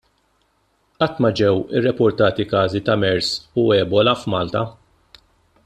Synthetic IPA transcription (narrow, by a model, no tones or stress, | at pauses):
ʔɐt̪ːmɐd͡ʒɛwɪ̰rːɛpʊɾt̪ɐːt̪ikɐːzit̪ɐmɛɾsʊɛːbɔlɐfmɐːlt̪ɐ